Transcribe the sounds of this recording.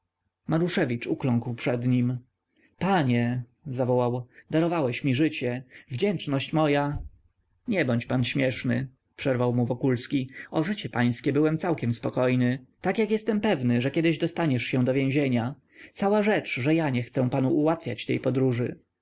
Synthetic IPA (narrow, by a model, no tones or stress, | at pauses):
maɾuʂɛvʲit͡ʂuklɔ̃ŋkwpʂɛd̪ɲim | paɲɛ | zavɔwawd̪aɾɔvawɛɕmʲiʐɘt͡ɕɛvd͡ʑɛnt͡ʂnɔɕt͡ɕmɔja | ɲɛbɔɲt͡ɕpanɕmʲjɛʂnɘ̰ | pʂɛɾvawmuvɔkulskʲiɔʐɘt͡ɕɛpaj̃skʲɛbɘwɛmt̪sawkʲɛmspɔkɔjnɘt̪akjakjɛst̪ɛmpɛvnɘʐɛkʲɛd̪ɘʑd̪ɔst̪aɲɛʂɕɛ̃d̪ɔvʲjẽʑeɲa | t̪sawaʐɛt͡ʂʐɛjaɲɛxt̪sɛ̃panuʔuwat̪fʲja̰t͡ɕt̪ɛ̰jpɔd̪ɾuʐɘ